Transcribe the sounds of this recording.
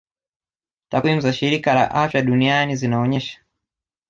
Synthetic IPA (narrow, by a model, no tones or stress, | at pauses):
takwimuzaʃiɾikala̰ʔafjaɗunianizinaɔɲɛʃḁ